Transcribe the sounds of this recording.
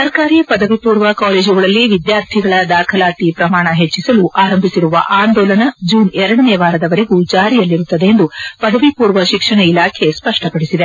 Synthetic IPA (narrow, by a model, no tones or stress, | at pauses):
sɐɾkaːɾijɐpɐd̪ɐʋipuːɾʋɐkaːleːd͡ʒuɡɐɭɐlːiʋid̪jaːɾt̪ʰiɡɐɭɐd̪aːkʰɐlaːt̪ipɾɐmaːɳɐɦet͡ʃːisɐluʔaːɾɐmbʱisiɾuʋɐ̰ʔaːnd̪ɔːlɐnɐd͡ʒuːnɛɾɐɽɐneːʋaːɾɐd̪ɐʋɐɾe̞ɡud͡ʒaːɾijɐlːiɾut̪ːɐd̪e̞ːnd̪upɐd̪ɐʋipuːɾʋɐʃikʂɐɳɐilaːkʰe̞spɐʂʈɐpɐɽisid̪e̞